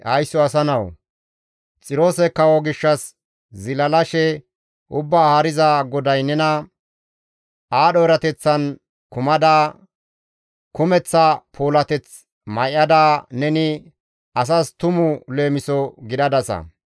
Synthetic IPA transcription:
hɐjsːɔɐsɐnɐw | t͡sʼɪɾo̞ːsɛkːɐwɔɡɪʃːɐs | zɪlɐlɐʃɛ | ʔʊbːaːhɐɾɪzaɡɔd̪ɐjnɛnɐ | aːɗɔɾɐt̪ɛt͡sːɐn | kʊmɐd̪aː | kʊmɛt͡sːɐpʰoːlɐt̪ɛt͡s | mɐjʔɐd̪aːnɛnɪ | ɐs̬ast̪ʊmʊle̞ːmɪsɔɡɪd̪ɐd̪ɐsɐ̰

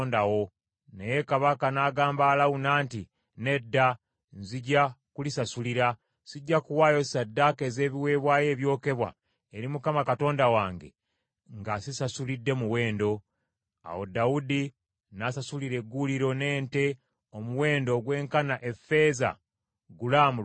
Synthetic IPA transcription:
ndawo̞ | nejekaβakanaːɡaːmbaːlaunaːnti | ne̞dːa | nziɟːakulisasuliɾa | siɟːakuwaːjo̞sadːakeze̞ːβiwe̞ːβwaːje̞ːβjo̞ːke̞βwa̰ | eɾimukamakato̞ːndawaːŋɡe̞̰ | ŋɡasisasulidːe̞muwe̞ːndo̞ | a̰wo̞daudi | nasasuliɾe̞ɡːuliɾo̞ne̞ːnte̞ | omuwe̞ːndo̞ɡwe̞ːŋkanaʔe̞fe̞za̰ | ɡulamu

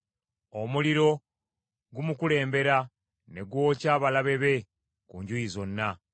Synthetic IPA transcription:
omuliɾo̞ | ɡumukule̞ːmbe̞ɾa | ne̞ɡwo̞ːcaːβalaβe̞βe̞ | kuɲɟuizo̞nːa

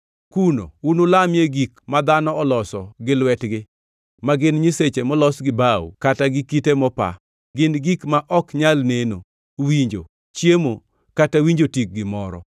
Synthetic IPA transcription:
kuno̰unʊlamjeɡikmad̪anɔɔlɔsɔɡɪlwɛtɡɪ | maɡɪnɲiset͡ʃemɔlɔsɡɪbaw̰kataɡɪkitemɔpa̰ | ɡɪnɡikmaʔɔkɲalneno | wiɲd͡ʒo̰ | t͡ʃjemo | katawiɲd͡ʒotik̚ɡɪmɔɾɔ̰

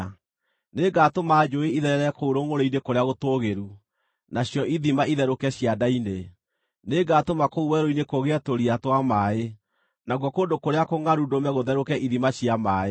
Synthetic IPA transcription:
neːɡatomaːd͡ʒoeiðɛɾɛɾɛkouɾoŋoɾoinekoɾeaɣotoːɣeɾu | naɕjɔʔiðimaiðɛɾokɛɕjadaine | neɡatomakouwɛɾoinekoɣeɛtoɾiatwamaːe | naɣwɔkoːndokoɾeakoŋaɾudomɛɣoðɛɾokɛʔiðimaɕjamaːe

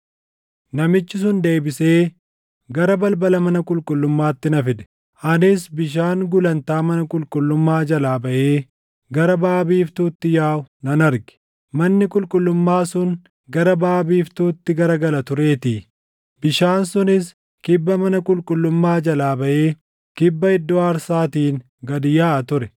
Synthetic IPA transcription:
nɐmɪt͡ʃːɪs̬ʊnd̪e̞ːbɪseː | ɡɐɾɐbɐlbɐlɐmɐnɐkʼʊlkʼʊlːʊmːaːt̪ːɪnɐfɪd̪ɛ̥ | ʔɐnɪsbɪʃ̬aːŋɡʊlɐnt̪aːmɐnɐkʼʊlkʼʊlːʊmːaːd͡ʒɐlaːbɐʔe̞ː | ɡɐɾɐbaːbiːft̪uːt̪ːɪjaːʊnɐnɐɾɡɪ̥ | mɐnːɪkʼʊlkʼʊlːʊmːaːsʊn | ɡɐɾɐbaːbiːft̪uːt̪ːɪɡɐɾɐɡɐlɐt̪ʊɾe̞ːt̪iː | bɪʃaːnsʊnɪs | kɪbːɐmɐnɐkʼʊlkʼʊlːʊmːaːd͡ʒɐlaːbɐʔe̞ː | kɪbːɐɪd̪ːɔɐɾsaːt̪iːn | ɡɐd̪ɪjaːʔɐt̪ʊɾɛ

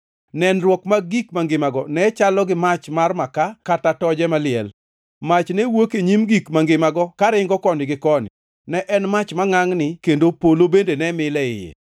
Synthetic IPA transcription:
nɛnrwɔkmaɡikmaŋɡɪmaɡɔnɛt͡ʃalɔɡɪmat͡ʃmarmakakatatɔd͡ʒɛmalɪɛ̰l | mat͡ʃnɛwokeɲimɡikmaŋɡɪmaɡɔkaɾɪŋɡɔkɔnɪɡɪkɔnɪ̰ | nɛʔɛnmat͡ʃmaŋaŋnɪkendopolobendenɛmɪlɛɪ̰jɛ̰

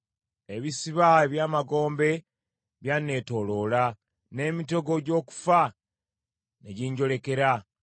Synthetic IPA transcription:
e̞βisiβaβjaːmaɡo̞ːmbe̞ | βjanːe̞to̞lo̞la | ne̞ːmito̞ɡo̞ɟo̞ːku̥fa | neɟiɲɟo̞le̞ke̞ɾa

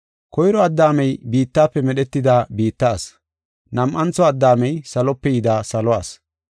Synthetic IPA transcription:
kɔjɾɔɐd̪ːaːmɛjbiːt̪ːaːpːɛmɛɗɛt̪ːɪd̪aːbiːt̪ːaːs | nɐmʔɐnt͡sɔɐd̪ːaːmɛjsɐlɔpːɛjɪd̪aːsɐlɔaːs

